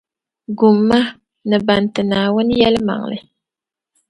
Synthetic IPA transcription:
ɡu˨mːa˦ | nɨ˨ba˨ntɨ˨naː˨wʊ˦njɛ˦lma̰˨ŋlɨ̰˦

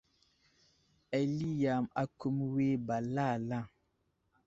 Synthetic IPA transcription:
ɛ˨li˦ja˨ma˨ku˦mweː˦ba˨la˦˨la˦˨

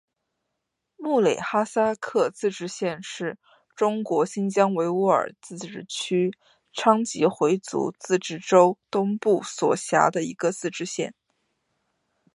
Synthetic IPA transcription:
mu˥˩le˨˩ɪxa˥sa˥kʰɤ˥˧t͡sɹ̩˥˧ʈ͡ʂɻ̩˥ɕjɛ˥˧nʂɻ̩˥˩ | ʈ͡ʂʊ˥ŋkwɔ˧˥ɕi˥nt͡ɕjɑ˥ŋwe˧˥ɪu˥ə̰˞˨˩t͡sɹ̩˥˧ʈ͡ʂɻ̩˥˩t͡ɕʰy˥ | ʈ͡ʂʰɑ˥ŋt͡ɕi˧˥xwe˧˥ɪt͡sṵ˧˥t͡sɹ̩˥˧ʈ͡ʂɻ̩˥˩ʈ͡ʂo˥ʊt̪ʊ˥ŋpu˥˩swɔ̰˨˩ɕja̰˧˥d̪ə˧ḭ˧˥ɡə˧t͡sɹ̩˥˧ʈ͡ʂɻ̩˥ɕjɛ˥˩n

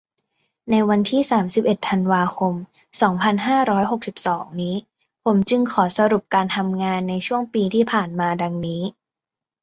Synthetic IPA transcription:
na˧jwa˧nt̪ʰiː˥˩saː˩˦msi˨˩p̚ʔe˨˩t̪ʰːa˧nwaː˧kʰo˧m | sɔː˩˦ŋpʰa˧nɦaː˥˩ɾɔː˦˥jɦo˨˩k̚si˨˩p̚sɔː˩˦ŋniː˦˥ | pʰo˩˦mt͡ɕɯ˧ŋkʰɔː˩˦sa˧ɾu˨˩p̚kaː˧nt̪ʰa˧mŋaː˧nːa˧jt͡ɕʰu˥˩əŋpiː˧t̪ʰiː˥˩pʰaː˨˩nmaː˧da˧ŋniː˦˥

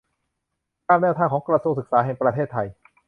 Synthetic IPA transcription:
kaː˥˩mnɛː˥˩wt̪ʰaː˧˩ŋkʰɔː˩˦ŋkɾa˧su˧ŋ̚sɯ˨˩k̚saː˩˦ɦɛ˨˩ŋpɾa˧t̪ʰeː˥˩t̪ʰːa˧j

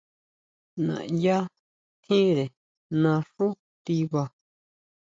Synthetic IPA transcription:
nã̰˨ʔja˦ | t̪ʰĩ˦ɾe˨ | nã˧ʂu˦ | t̪i˧βa˧

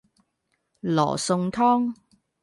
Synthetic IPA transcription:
lɔ̰ː˨˩sʊ˧ŋt̪ʰɔː˥ŋ

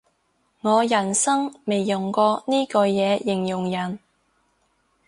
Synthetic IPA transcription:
ŋɔː˨˧jɐ˨˩nsɐ˥ŋme˨jːʊ˨˩ŋkɔː˧niː˥kɔː˧jɛː˨˧jɪ˨˩ŋjʊ˨˩ŋjɐ˨˩n

